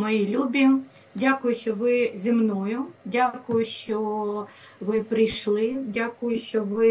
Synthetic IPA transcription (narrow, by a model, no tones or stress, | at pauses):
mɔjilʲubʲi | dʲakʊjʊʃt͡ʃɔʋɪzʲimnɔjʊdʲakʊjʊʃt͡ʃɔ | ʋɪpɾɪjʃlˠɪdʲakʊjʊʃt͡ʃɔʋɪ